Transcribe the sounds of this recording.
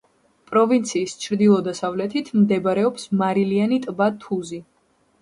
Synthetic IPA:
pʼɾɔvint̪sʰiːst͡ʃʰɾd̪ilˠɔd̪asavlɛt̪ʰit̪ʰmd̪ɛbɾɛɔpsmaɾilianit̪ʼbat̪ʰuzi

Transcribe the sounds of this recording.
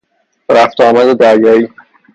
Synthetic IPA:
ɾæft̪ɒːmæd̪ed̪æɾjɒiː

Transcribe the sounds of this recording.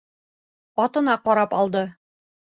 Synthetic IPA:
ɒt̪ɤ̆nɑqɒɾɑpɒlˠd̪ɤ

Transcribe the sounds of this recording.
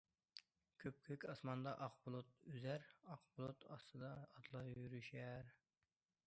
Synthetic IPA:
kʲʰøp̚kʲʰøkʲɑsmɑnd̪ɑʔɑqbʊlˠut̪̚yzæɾɑqbʊlˠut̪ɑst̪ɨd̪ɑːt̪lˠɑjyɾyʃæɾ

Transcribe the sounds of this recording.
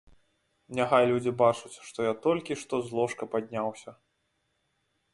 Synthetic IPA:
nʲɛxajlʲud͡zʲibat͡ʂut͡sʲʂt̪ɔjat̪ɔlʲkʲiʂt̪ɔzlˠɔʂkɐpad̪ʲnʲawsʲɐ

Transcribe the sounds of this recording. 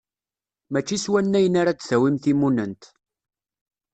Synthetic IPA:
mæt͡ʃːiswænːæjənaɾat͡sθæwimθimunənt̪

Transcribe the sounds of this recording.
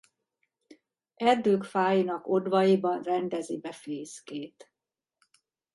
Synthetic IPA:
ɛrd̪øːkfaːjinɒko̞d̪vɒjibɒnrɛnd̪ɛzibɛfeːskeːt̪

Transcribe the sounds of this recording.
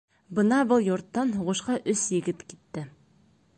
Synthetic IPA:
bɤnɑbɤlˠjuɾt̪ːɑnɦʊʁŭʃqɑʔɵsjɘ̆ɡɪt̪kit̪ːɘ

